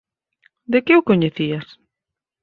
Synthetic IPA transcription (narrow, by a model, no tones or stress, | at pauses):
d̪ekɪʊkoɲeθias